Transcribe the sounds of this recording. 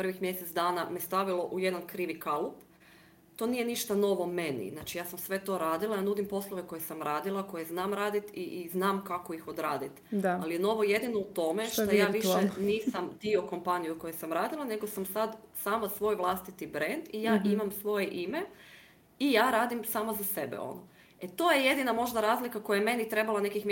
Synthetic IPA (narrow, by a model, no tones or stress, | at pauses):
pr̩ʋixmjeset̪sd̪aːnamest̪aʋilˠo̞ʔuje̞d̪ankɾiːʋikalup | t̪o̞niːje̞niʃt̪ano̞ʋome̞nḭznat͡ʃijaːsamsʋe̞t̪o̞ɾaːd̪ilˠajaːnud̪impo̞slˠoʋe̞ko̞jesamɾaːd̪ilˠako̞jeznaːmɾaːd̪it̪iznaːmkakoixod̪ɾaːd̪it̪aalijeno̞ʋo̞je̞d̪ino̞ut̪o̞meʃt̪ajaːʋiʃeniːsamd̪io̞ko̞mpanijuko̞jesamɾaːd̪ilˠane̞ɡosamsad̪saːmasʋo̞jʋlˠast̪it̪ibɾend̪ijaːimamsʋo̞jeʔime | ijaːɾaːd̪imsaːmazase̞bḛo̰no | et̪o̞jeje̞d̪inamo̞ʒd̪aɾaːzlikakojajeme̞nit̪ɾe̞balˠane̞kixm